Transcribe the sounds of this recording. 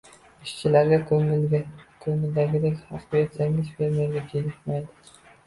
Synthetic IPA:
ɪʃt͡ʃʰɪlaɾɡʲak | kʰɵŋɪld̪aɡʲɪd̪ekʲhɑqbjet̪saŋɪzfeɾmeɾɡʲad͡ʒʰelɪt̪majd̪ɪ

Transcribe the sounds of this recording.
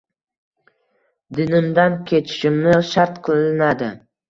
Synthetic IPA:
d̪ɪnɪmd̪ankʲʰe̞t͡ʃʰɪ̥ʃɪmnɪʃaɾt̪qʰɨlˠɪnad̪ɪ

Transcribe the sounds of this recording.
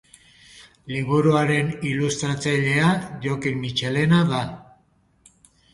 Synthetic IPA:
liβ̞uɾuaɾe̞nilust̪ɾat͡saʎe̞aʝo̞kimit͡ʃe̞le̞naða

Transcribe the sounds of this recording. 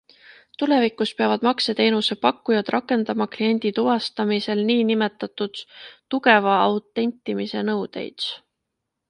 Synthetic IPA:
t̪ule̞vikuspeɑvɑd̪̥mɑkse̞t̪e̞ːnuse̞pɑkːujɑd̪̥rʔɑkːˑe̞nd̪ɑmɑklie̞nʲd̪̥it̪uvɑst̪ɑmise̞lniːnime̞t̪ːˑɑt̪ːud̪̥t̪uɡe̞vɑɑwt̪ːˑe̞nʲt̪ˑːimise̞nɤwd̪̥e̞̰jd̪̥

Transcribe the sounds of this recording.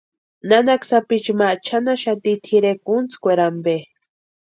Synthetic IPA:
nanaksapit͡ʃmat͡ʃʰanaʃat̪it̪ʰiɾekunt͡skʷeɾambe

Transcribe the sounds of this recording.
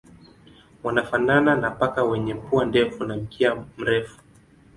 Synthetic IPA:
wanafanananapakawɛɲɛm̩puandɛfunam̩kiam̩ɾɛfu̥

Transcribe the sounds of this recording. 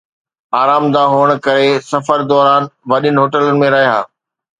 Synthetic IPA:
aːɾaːmd̪aɦoːəɽ̃̆kɐɾesɐfəɾd̪ɔːɾaːnʋɐɗɪnɪɦoːʈələnɪ̆mẽɾɐɦiɦa̰ː

